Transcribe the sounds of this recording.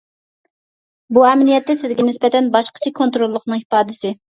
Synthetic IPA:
buɛmlijɛt̪ːɛsɪzɡʲɛnɪspɛt̪ʰɛnbɑʃqə̥t͡ʃʰɛkʰont̪ɾolˠːəχnɨŋipɑːd̪ɪsɪ

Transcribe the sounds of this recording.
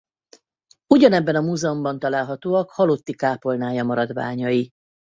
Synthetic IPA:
uɟɒnɛbːɛnɒmuːzɛombɒnt̪ɒlaːlɦɒt̪oːɒkhɒlo̞t̪ːikaːpo̞lnaːjɒmɒɾɒd̪ʋa̰ːɲɒji

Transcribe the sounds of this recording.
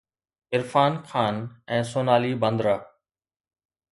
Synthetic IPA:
ɪɾfaːnkʰaːnɛ̃ːsoːnaːliːbə̃nd̪ɾaː

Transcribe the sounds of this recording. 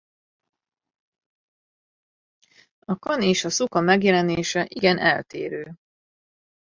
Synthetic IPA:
ɒkɒneːʃɒsukɒmɛɡjɛlɛneːʃɛʔiɡɛnʔɛ̰lt̪ḛːɾøː

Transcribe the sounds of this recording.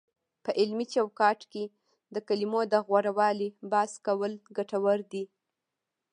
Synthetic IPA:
pəʔɪlmit͡ʃawkɑʈke | d̪əkalimod̪əɣwaɽawɑlibɑskawəlɡaʈawaɾd̪i

